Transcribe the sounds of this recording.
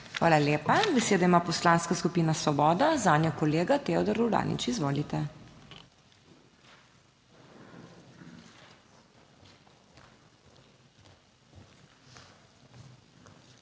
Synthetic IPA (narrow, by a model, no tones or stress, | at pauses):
xʋaːlaleːpabɛseːd̪aimaːpɔslaːnskaskupiːnasʋɔbɔːd̪azaːnjɔkɔleːɡat̪eːɔd̪ɔɾuwd̪a̰ːnḭt͡ʃizʋoːlit̪ɛ